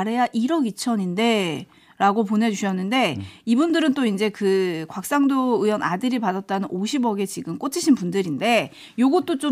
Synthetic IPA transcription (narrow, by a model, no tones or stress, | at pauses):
ɾe̞jaʔiɾʌɡit͡ɕʰʌɲinde̞ | ɾaɡop̬one̞d͡ʑuɕʰʌnːɯnde̞ibundɯɾɯnt͈oind͡ʑe̞kɯkwak̚s͈aŋdoɯjʌnadɯɾipadat̚t͈anɯnoɕʰibʌɡe̞t͡ɕiɡɯmk͈ot͡ɕʰiɕʰinpundɯɾinde̞ | joɡʌt̚t͈ot͡ɕ͈o